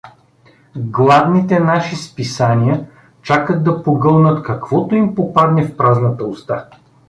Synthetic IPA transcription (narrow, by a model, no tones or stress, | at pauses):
ɡlˠad̪nit̪ɛnaʃispisanʲiə | t͡ʃakəd̪̚d̪ɐpoɡɤlˠnət̪kɐkvɔt̪oimpopad̪nɛfpɾaznət̪əʊst̪a